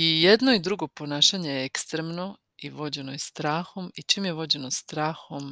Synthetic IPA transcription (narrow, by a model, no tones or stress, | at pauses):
ijed̪no̞id̪ɾuɡo̞po̞naːʃaɲe̞jeekst̪ɾemno̞ | iʋo̞d͡ʑe̞nojest̪ɾaːxo̞mit͡ʃiːmjeʋo̞d͡ʑe̞no̞st̪ɾaːxom